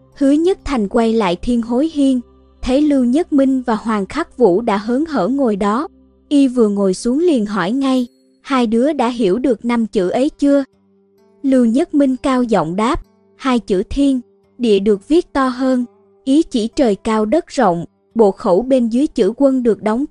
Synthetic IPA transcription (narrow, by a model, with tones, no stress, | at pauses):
hɨ˨˦ɲə˦˥t̚t̪ʰa˨˩jŋ̟kwa˧jla̰ː˧˨jt̪ʰi˧ənɦo˨˦jɦi˧ən | t̪ʰe˨˦lɨ˧wɲə˦˥t̚mï˧ŋ̟vaː˨˩ɦwaː˨˩ŋxa˦˥k̚vṵ˧˥ɗa̰ː˧˥ɦəː˨˦nɦə̰ː˧˩ŋo˨˩jɗɔ˨˦ | ʔi˧vɨ˨˩əŋo˨˩jsu˨˦əŋli˨˩ənɦɔ˧˩jŋa˧j | haː˧jɗɨ˨˦əɗa̰ː˧˥ɦi˧˩əwɗɨ˨˩ək̚na˧mt͡ɕɨ̰˧˩ʔə˨˦jt͡ɕɨ˧ə | lɨ˧wɲə˦˥t̚mï˧ŋ̟kaː˧wzɔ̰˧˨wŋ͡mɗaː˦˥p̚ | haː˧jt͡ɕɨ̰˧˥t̪ʰi˧ən | ɗḭ˧˨əɗɨ˨˩ək̚vi˦˥ət̚t̪ɔ˧ɦəː˧n | ʔi˨˦t͡ɕi˧˩t͡ɕəː˨˩jkaː˧wɗə˦˥t̚zo̰˧˨wŋ͡m | ɓo̰˧˨xə˧˩wɓe˧nzɨː˨˦əjt͡ɕɨ̰˧˥kwə˧nɗɨ˨˩ək̚ɗɔ˨˦wŋ͡m